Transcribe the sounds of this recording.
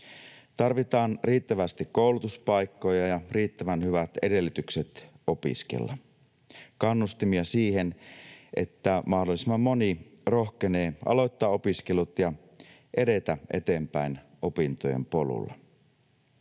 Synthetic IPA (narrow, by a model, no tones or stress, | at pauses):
t̪ɑrʋit̪ɑːnriːt̪ːæʋæst̪ikkːo̞wlut̪uspɑjkːo̞jɑjɑriːt̪ːæʋænhyʋæt̪e̞de̞lːyt̪ykset̪ | o̞pḭskḛlːɑ | kɑnːust̪imiɑsiːhe̞nʔḛt̪ːæmɑhdolːˑisemːɑmːo̞niro̞hkeneːʔɑ̰lo̞jt̪ːɑːo̞piske̞lut̪jɑ | ʔe̞de̞t̪æʔe̞̰t̪e̞ːmpæin | ʔopint̪ojḛmpo̞lṵlːɑ̰